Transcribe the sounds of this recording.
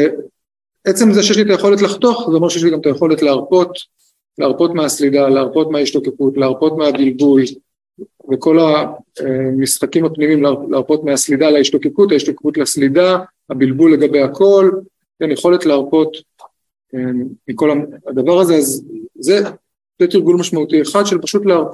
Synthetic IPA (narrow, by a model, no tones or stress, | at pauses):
e | et͡se̞mzeʃejeʃlit̪aje̞χo̞letlaχt̪o̞aχzeo̞meʃeeʃliɡamt̪aje̞χo̞le̞tleaʁpo̞t | leaʁpo̞t̪measlidaleaʁpo̞t̪meaiʃto̞kekutleaʁpo̞tmeabilbul | veko̞laemisχakimapnimimlleaʁpo̞t̪measlidalaiʃto̞ke̞kutaiʃtokekutlaslida | habilbulːe̞ɡabe̞jakʰo̞l | kenjeχo̞le̞tleaʁpo̞t | eːiko̞laadavaʁazeazze | t̪et̪iʁɡulmaʃmaut̪ieχad̪ʃelpaʃut̪leaʁp